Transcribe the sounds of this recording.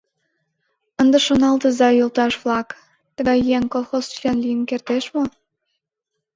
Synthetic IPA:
ənd̪ə̆ʃonɑlt̪ə̆zɑjult̪ɑʃβlɑk | t̪ə̆ɣɑjːeŋkolˠxost͡ʃlʲɑnlijənkert̪eʃmo

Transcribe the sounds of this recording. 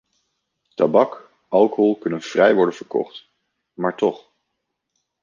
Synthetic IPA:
tabɑk | ʔɑlˠkəɦɔlˠkɵnənv̥rɛjʋɔɹdənv̥əɹkɔ̰χt | maːɹtɔχ

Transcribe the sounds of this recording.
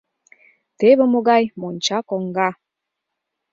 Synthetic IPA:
t̪eβəmoɡajmont͡ʃakɔŋɡa

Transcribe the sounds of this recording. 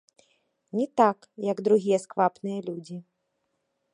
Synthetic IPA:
nʲɛt̪ak | jɐɡd̪ɾuɣʲijɛskvapnɨjɐlʲud͡zʲi

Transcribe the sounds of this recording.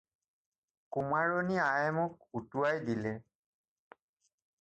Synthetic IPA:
kumaɹoniajɛmʊk̚utuwajdilɛ

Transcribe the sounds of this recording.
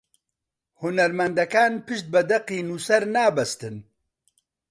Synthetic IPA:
hʊnɛɾmɛnd̪ɐkaːnpɨʃt̪̚bɛd̪ɛqiːnuːsɛɾnaːbɐst̪ɨn

